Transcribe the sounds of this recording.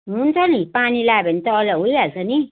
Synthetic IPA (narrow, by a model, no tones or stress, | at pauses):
munt͡sanipanilabenit̪ɔlawujalsani